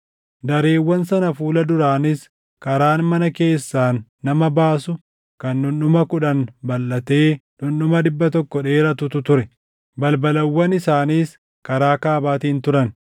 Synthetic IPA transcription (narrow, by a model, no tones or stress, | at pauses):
d̪ɐɾeːwːɐnsɐnɐfuːlɐd̪ʊɾaːnɪs | kɐɾaːnmɐnɐke̞ːsːaːnː | ɐmɐbaːsʊ | kɐnːʊnɗʊmɐkʊᶑɐnbɐlːɐt̪eːnʊnɗʊmɐd̪ɪbːɐt̪ɔkːɔᶑe̞ːɾɐt̪ʊt̪ʊt̪ʊɾɛ | bɐlbɐlɐwːɐnɪsaːniːs | kɐɾaːkaːbaːt̪iːnt̪ʊɾɐn